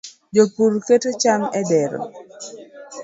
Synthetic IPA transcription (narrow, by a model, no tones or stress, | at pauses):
d͡ʒopuɾketot͡ʃamɛdɛɾo̰